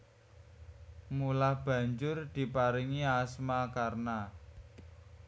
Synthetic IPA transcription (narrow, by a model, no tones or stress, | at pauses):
mulahb̥ä̤ɲd͡ʒʊrd̪̥i̤paɾiŋiasmakarna